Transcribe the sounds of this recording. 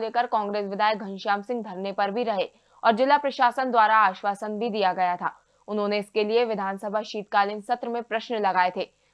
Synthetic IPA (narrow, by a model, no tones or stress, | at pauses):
leːkəɾkɔ̃ːŋɡɾeːsʋɪd̪ʱaːjək̚ɡʱɐ̃nʃaːmsɪ̃ŋɡ̚b̪ʱɐɾnepɐɾbʱiɾɐɦe | ɔːɾd͡ʒɪlːapɾɐʃaːsənd̪waːɾaaːʃʋaːsənbʱid̪ijaɡɐjat̪ʰa̰ː | ʊnɦõːneɪskelieʋɪd̪ʱaːnsəbʱaʃiːt̪kaːlɪnsɐt̪ɾəmẽpɾɐʃnlɐɡaːet̪ʰeː